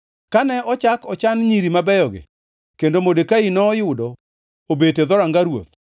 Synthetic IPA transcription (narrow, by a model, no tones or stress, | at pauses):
kanɛɔt͡ʃakɔt͡ʃanɲiɾimabɛjɔɡɪ̰ | kendomodekainɔːjʊdɔ | obeted̪ɔɾaŋɡaɾwo̰t̪̚